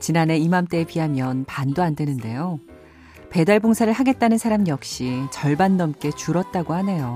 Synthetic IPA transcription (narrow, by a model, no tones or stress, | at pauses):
t͡ɕinane̞imamt͈e̞piɦamjʌnpandoandwe̞nɯnde̞jo | pe̞daɭboŋsʰaɾɯɭɦaɡe̞t̚t͈anɯnsʰaɾamijʌk̚ɕ͈it͡ɕʌɭbanːʌmk͈e̞t͡ɕuɾʌt̚t͈aɡohane̞jo